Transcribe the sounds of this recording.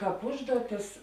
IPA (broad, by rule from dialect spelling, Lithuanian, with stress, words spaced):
ˈkɑːp ˈʊʒduɔˌtʲɪs